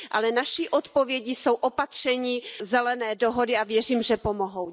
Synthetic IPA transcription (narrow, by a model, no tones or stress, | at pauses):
ʔa̰lɛnaʃiʔot̪povjɛɟiso̞wʔopat̪r̝̥ɛɲiːzɛlɛnɛːdoɦodɪavjɛriːmʒɛpomoɦow